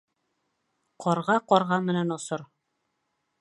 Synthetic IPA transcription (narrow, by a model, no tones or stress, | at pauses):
qʰɒɾʁɑqɒɾʁɑnmɘ̆nænŏsɤɾ